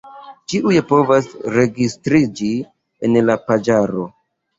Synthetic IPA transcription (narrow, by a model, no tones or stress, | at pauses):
t͡ʃiʔujepo̞vasɾe̞ɡistɾid͡ʒi | enlapad͡ʒaɾo̞